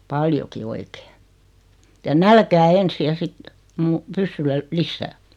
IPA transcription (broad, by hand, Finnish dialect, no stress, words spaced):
pɑljoki oikeː jɑ nælkæː ensi jɑ sit muː pysːylːæ lisːæː